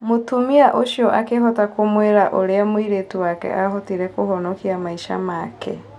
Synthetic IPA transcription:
motumiaʔoʃiɔʔakeɦɔtakomweɾaʔoɾeamwiɾetuwakɛ̰ʔaɦɔtiɾɛkohɔnɔkiamaiʃa̰maːkʰɛ̰

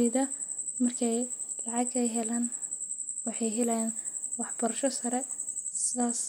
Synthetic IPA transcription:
iðɐ | mɐrkʰɛjlɑʕɑɡɛjɦɛlaːn | wɑħɑjɦɪlɐjaːnwɑħb̥ɐɾɐʃɔsɐɾɛsɪðaːs

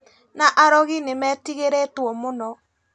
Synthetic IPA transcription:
naʔaɾɔɣinemɛtiɣeɾetwɔmonɔ

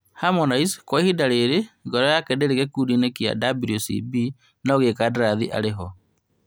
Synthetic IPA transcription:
hamɔnaiskwɔihidaɾeɾeɡɔɾɔjakɛdeɾeɣɛkudinekia̰dabɾiosḭbi | naoɣekadaɾaðiʔa̰ɾeɦɔ

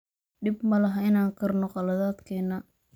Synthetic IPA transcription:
ɖɪbmɐlɐɦɐɪnaːŋkʰɐrnɔqɑlɐðaːd̪kʰɛːnɐ

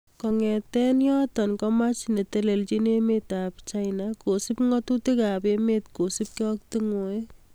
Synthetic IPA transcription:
kɔŋɛ̃t̪ɛnjɔt̪ɔnkɔmat͡ʃnet̪eleld͡ʒinemet̪apt͡ʃajnakosipŋɡɔt̪ut̪iɡaːbemet̪kosip̚kɔkt̪iŋoj

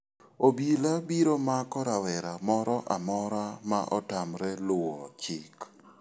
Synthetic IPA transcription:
obilabiɾomakɔɾawɛɾamɔɾɔʔamɔɾamaʔɔtamɾɛlʊwɔt͡ʃɪk

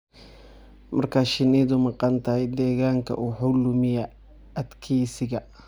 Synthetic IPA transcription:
mɐrkʰaːʃɪniːðʊmɑqɑnt̪ʰɐhɛjd̪ɛːɣaːŋkʰɐ̰ʔuːħʊlʊmɪjɛ | ɐd̪kʰiːsɪɣɐ

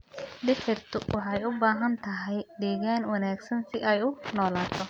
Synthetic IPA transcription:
d̪ɪħɪrt̪ʰʊwʔʊħɐjʊbaːɦɐnt̪ʰɐɦɛjɖ̪ɛːɣaːnwɐnaːɡsɐnsɪʔɐjʊnɔːlaːt̪ʰɔ

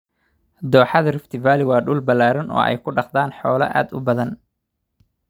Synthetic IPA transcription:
d̪ɔːħɑðɐrɪft̪ʰɪvaːlɪwɑːɖʊːlbɐlːaːɾɐnʔɔ̰ːʔɛ̰jkʰʊɖɑqd̪aːnħɔːlɐʔa̰ːd̪ʊbɐðɐn

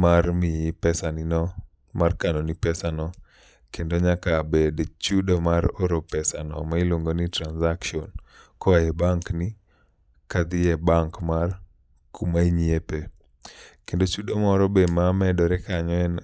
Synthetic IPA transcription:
marmɪpɛsanɪnɔ | markanonipɛsanɔ | kendoɲakabedt͡ʃudomaɾoɾopɛsanɔ̰maɪloŋɡonɪtɾanzakʃiɔnkɔaɛbaŋknɪ | kad̪ɪɛbaŋkmar | kʰumaiɲiepe | kendot͡ʃudomɔɾɔbemamɛdɔɾɛkaɲɔɛn

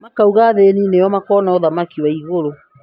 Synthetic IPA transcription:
makauɣaːðeːninejɔmakɔːnaɔðamakiwaiɣoɾo

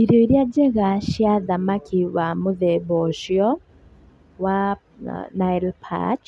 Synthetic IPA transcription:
iɾoiɾjad͡ʒɛɣaʃjaðamakʰiwamʊðɛbɔʃjɔ | wa | naɛlpʰa̰t͡ʃ

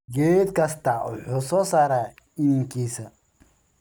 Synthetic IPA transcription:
ɡeːd̪kɐst̪aɔ̰ħʊsɔsɐɾa | iŋkisɐ

